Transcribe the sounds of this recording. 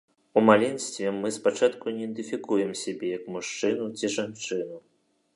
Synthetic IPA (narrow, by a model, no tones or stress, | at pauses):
umalʲɛnʲsʲt̪vʲɛmːɨspat͡ʂat̪kunʲɛɛnd̪ɨfʲikujɛmsʲabʲɛjɐkmuʂt͡ʂɨnut͡sʲiʐant͡ʂɨnu